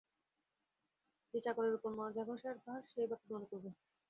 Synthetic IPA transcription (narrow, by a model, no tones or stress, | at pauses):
d͡ʑet͡ɕakoɾeɾupoɾmɔd͡ʑʱabʱoʃaɾbaɾʃejbakemonekoɾbe